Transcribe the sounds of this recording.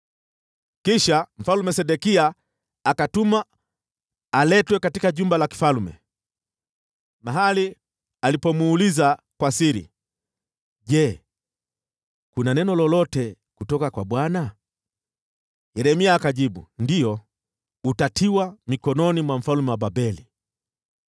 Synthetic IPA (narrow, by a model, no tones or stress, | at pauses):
kiʃam̩falumɛsɛɗɛkiaː | katuma | lɛtwɛkatikaʄumbalaki̥falmɛ̰ | maɦali | alipɔmuːliza | kwasiɾḭ | ʄɛ | kunanɛnɔlɔlɔtɛ | kutɔkakwaɓwana | jɛɾɛmiaːkaʄiɓṵndiɔ | utatʰiwamikɔnɔnimwam̩falumɛwaɓabɛli